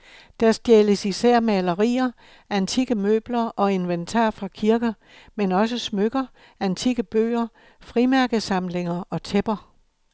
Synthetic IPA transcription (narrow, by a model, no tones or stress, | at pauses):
d̥æɐsd̥jeləsisæɐ̰melɐʁḭːɐ | ænt͡sʰiɡ̥əmø̰ːb̥lɐɒ̽e̝nʋent͡sʰɑ̰̈ːfʁɑ̈kʰiɐɡ̥ɐ | menɒ̽səsmøɡ̥ɐ | ænt͡sʰiɡ̥əb̥ø̰ːɐ | fʁimæɐɡ̥əsɑ̈mle̝ŋɐʔɒ̽t͡sʰeb̥ɐ